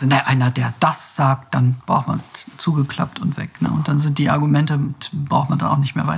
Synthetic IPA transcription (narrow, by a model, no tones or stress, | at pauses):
znaʔaɪnɐdeːɐd̥asz̥aːk̚t̚d̥anb̥ʁaʊxtma̰nt͡suːɡəkʰl̥a̰p̚tʊntv̥ɛ̰knə̰ʔʊntd̥anzɪnt̚d̥iːʔaɐɡumɛntəbʁaʊxtmanda̰naʊxnɪçtmeːɐva̰ɪtɐ